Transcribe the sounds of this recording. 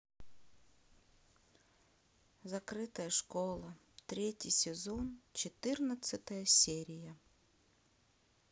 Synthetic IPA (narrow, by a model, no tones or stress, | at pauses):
zɐkɾɪt̪ɐjɐʂkɔlˠɐ | t̪ɾʲetʲijsʲezɔnt͡ʃɪt̪ɪrnɐt̪sʲɐt̪ɐjɐsʲɛɾʲijɐ